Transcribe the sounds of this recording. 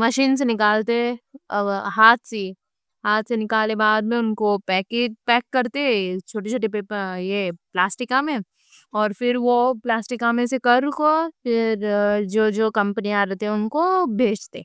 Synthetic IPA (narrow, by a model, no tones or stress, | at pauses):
mɐʃiːns̬enɪkaːlt̪eɛ | ɦaːt̪ʰse | ɦaːt̪senɪkaːlebaːd̪̚mẽʊnkopɛːkeːd͡ʒpɛːkːɐɾt̪eɦɛ̃t͡ʃʰoːʈ̬et͡ʃʰoːʈepejeplaːsʈɪkamẽ | ɔːɾfɪɾʋoplaːsʈɪkamẽsekɐɾkopɪɾd͡ʒoːd͡ʒoːkɐ̃mpəniaːɾɐt̪eɦɛ̃ʊnkobʱeːd͡ʒt̪e